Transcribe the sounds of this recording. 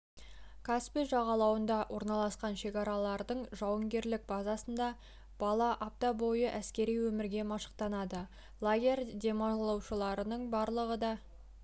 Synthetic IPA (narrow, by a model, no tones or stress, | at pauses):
kʰaspiʒɑʁɑlˠɑwənd̪ɑwʔo̞ɾnɑlˠɑsqɑnʃe̞kɑɾɑlˠɑɾd̪əɴʒɑwəŋɡʲe̞ɾlɪk̚bɑzɑsənd̪ɑ | b̥ɑlˠɑʔɑp̚t̪ɑbo̞jəʔæskʲe̞ɾijwɵmɪɾɡʲe̞mɑʃə̥qt̪ɑnɑd̪ə | lˠaɡʲe̞rd̪ʲe̞mɑlˠɑwʃəlˠɑɾənəɴbɑɾlˠəʁəd̪ɑ